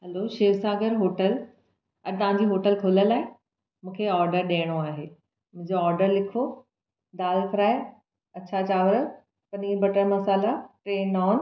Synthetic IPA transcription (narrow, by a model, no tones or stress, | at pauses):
ɦɐloʃeːɾsaːɡəɾɦoːʈəl | ɐɾt̪ɐʋ̤ãːɲd͡ʑiːɦoːʈəlkʰoːləlaːɪ̃ | mũːkʰeɔːɾɖəɾɗeːɽ̃oaːɦeː | mʊ̃ɦɪ̃ɲd͡ʑoɔːɾɖəɾlɪkʰo | d̪aːlkɾaːe | ɐtːɕʰat͡ɕaːʋɾə | pɐniːɾbɐʈəmɐsaːlaʈɾeːnɔːn